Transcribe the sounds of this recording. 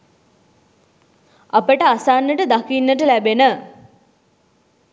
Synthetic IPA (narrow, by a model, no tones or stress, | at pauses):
apəʈəasaːnːəʈəd̪akinːəʈəlæbenə